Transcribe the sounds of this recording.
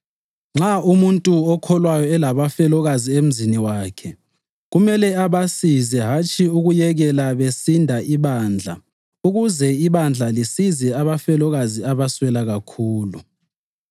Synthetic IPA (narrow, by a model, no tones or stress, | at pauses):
ŋ͡ǁaʔumuntʼuɔkʰɔlwajɔɛlaβafɛlɔɣaziem̩ziniwaːkʰɛ | ɣumɛlɛaβasizɛɦat͡ʃʰʼiuɣujɛɣɛlaβesindʱaʔiβaːnd͡ɮʱa̰ | uɣuzɛiβand͡ɮʱalisizɛaβafɛlɔɣaziaβaswɛlaɣakʰuːlu